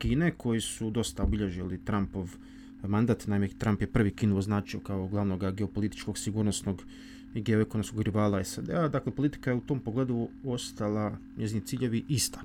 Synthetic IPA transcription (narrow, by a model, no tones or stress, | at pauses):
kiːne̞ko̞jisud̪o̞st̪aobiʎe̞ʒilit̪ɾampo̞ʋ | mand̪aːt̪naimet̪ɾampje̞pr̩ʋikiːnuoznaːt͡ʃiokaoɡlˠaʋno̞ɡaɡe̞o̞po̞lit̪i̥t͡ʃko̞ɡsiɡuːɾnosno̞ɡ | iɡe̞oekonomsko̞ɡɾiʋaːlaesad̪ead̪akle̞po̞lit̪i̥kajeut̪o̞ːmpoɡle̞ːd̪uo̞st̪ala | ɲʔezinit̪siːʎe̞ʋiʔist̪ḁ